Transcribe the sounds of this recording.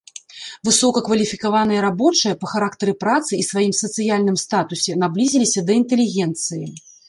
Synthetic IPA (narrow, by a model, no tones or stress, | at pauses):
vɨsɔkɐkvɐlʲifʲikavan̪ɐjɐɾabɔt͡ʂɐjɐpɐxaɾakt̪ɐɾɨpɾat̪sɨisvajimsɐt̪sɨjalʲnɨmst̪at̪usʲɛnablʲizʲilʲisʲɐd̪ɐint̪ɛlʲiɣʲɛnt̪sɨjḭ